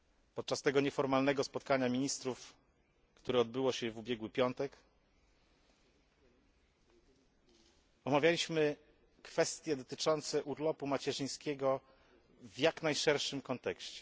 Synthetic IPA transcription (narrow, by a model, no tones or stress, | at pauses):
pɔt̪̚t͡ʂast̪ɛɡɔɲɛfɔɾmalnɛɡɔspɔt̪̚kaɲamʲiɲist̪ɾuf | kt̪uɾɛɔd̪bɘwɔɕɛvubʲjɛɡwɘpʲjɔnt̪ɛk | ɔmavʲjalʲiɕmɘ | kfɛst̪ʲjɛd̪ɔt̪ɘt͡ʂɔnt̪sɛʔuɾlɔpumat͡ɕɛʐɘj̃skʲɛɡɔ | vjaknajʂɛɾʂɘmkɔnt̪ɛkɕt͡ɕɛ